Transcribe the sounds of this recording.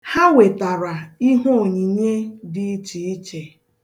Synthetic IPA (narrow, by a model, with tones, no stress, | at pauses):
ha˦we˨ta˨ɾa˨i˦ɦo˦o˨ɲi˨ɲe˦dɪ˦i˦t͡ʃi˨i˦t͡ʃe˨